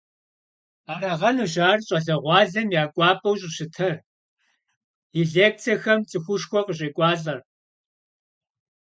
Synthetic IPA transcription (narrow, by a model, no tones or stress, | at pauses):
aːɾɐʁɐnɨʒaːrɕʼɐɮɐʁʷɑːɮɐmjaːkʷʼɑːpʼɐwɕʼɕɪtʰɐr | iɮeːk̚t͡sʰɐxɐmt͡sʼɨxʷʊʂxʷɔqəɕ̬ʼiːkʷʼɑːɮʼɐr